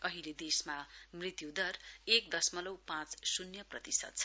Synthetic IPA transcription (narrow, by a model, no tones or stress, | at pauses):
ʌɦiled̪esmamrit̪jud̪ʌrek̚d̪ʌsmʌlʌwpãt͡ssunjʌprʌt̪isʌ̰t̪̚t͡sʰʌ